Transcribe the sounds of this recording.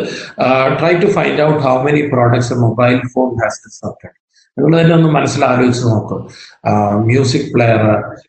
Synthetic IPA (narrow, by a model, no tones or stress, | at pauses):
ʈrɐjʈːufajndɐwʈhawmeniproːɖɐk̚ʈsemobɐjlfoːmhæːst̪isɐp̚ʈɐʈ | niŋːɐɭt̪ɐnːeo̞nːɨmɐnɐsːilaːɾoːɡit͡ɕːɐnno̞ːkːɨm | mjuːs̬ik̚pɭejɐr